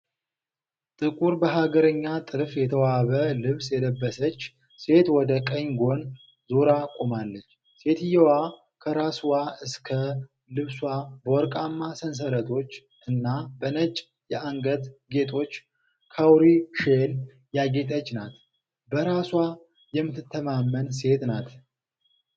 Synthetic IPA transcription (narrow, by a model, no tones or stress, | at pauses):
t̪ʼɨkʼuɾbəɦaɡəɾəɲːat̪ʼɨlfjɛt̪ʰəwaβəlɨβsjɛləbːəsət͡ʃː | se̞t̪wɔd̪əkʼəɲɡo̞n | zoɾakʼomalːət͡ʃː | se̞t̪ʰɨjɛwa | kʰəɾaswaɨskʰə | lɨβswabəwɔɾkʼamːasəns̬əɾət̪ʰo̞t͡ʃː | ʔɨnːabənət͡ʃʼ | jɛʔaŋɡət̪ɡe̞t̪ʰʼo̞t͡ʃː | kʰawɾiʃel | jaɡe̞t̪ʼət͡ʃːnat̪ | bəɾaswa | jɛmːɨt̪ːɨt̪ʰːəmamːənse̞t̪nat̪